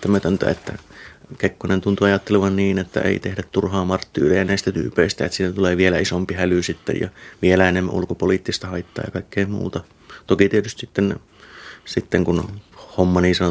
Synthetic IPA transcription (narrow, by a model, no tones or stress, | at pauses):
t̪æmæt̪ønt̪æ̰ːḛt̪ːæ̰kekːonent̪unt̪uɑjɑt̪ːeleʋɑnniːnet̪ːæ̰ʔḛˑit̪ehdæt̪t̪urhɑːmɑrt̪ːḭːrijɑnæˑist̪æt̪y̰ːpeist̪æet̪sit̪ːæt̪uleːʋielæisompihælysit̪ːḛjɑ̰ʋielæenemːæ̰ʔṵlkopoliːˑt̪ːist̪ɑhɑit̪ːɑ̰ːjɑ̰kɑikːeimmṵːt̪ɑ | t̪okit̪iet̪yst̪sit̪ːen | sit̪ːeŋkunhomːɑniːsɑno